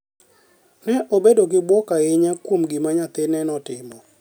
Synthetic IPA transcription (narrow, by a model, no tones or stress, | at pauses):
nɛʔobedokɪbwɔkaɪɲakwomɡimaɲat̪ɪnɛnɔtɪmɔ